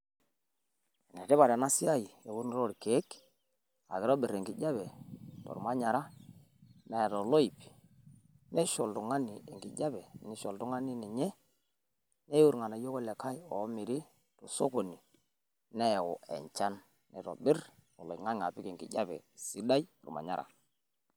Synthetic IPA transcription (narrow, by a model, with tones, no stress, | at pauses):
ne˨ɾɛ˦βa˨ɾa˨na˦sɪ˦a˦ji˨e˨ku˦n˦ɾo˦ɾke˨˦k | a̰˨kɪ˨ɾɔ˦bɪ˨ɾe˨ŋɡɪ˨d͡ʒa˦bɛ˨tɔ̰˨ɾma˦ɲa˨ɾa˦ | ne˨ɾɔ˨lo˦i˨p | ne˦ʃo˨ltu˨ŋa˦ni˨e˨ŋɡi˨ɟa˦bɛ˨nɪ˨˦ʃɔ˨ltu˦ŋa˦ni˦ni˨ɲɛ˦ | ne˦u˦ɾŋa˨na˨jo˦ko˦lɛ˨ka˦jɔ˨˦mɪ˨ɾi˦ | tɔ˨so˦ko˨ni˨ | ne˦˨ɔ˨ḛ˨ɲt͡ʃa˦n | nɛ̰˨ɾo̰˨bɪ˦ɾɔ˨lo˨ŋa˦ŋa˨pɪ˦ke˨ŋɡḭ˨ɟa˦bɛ̰˨si˦da˦jɔ̰˨ɾma̰˨ɲa̰˦ɾʔa̰˨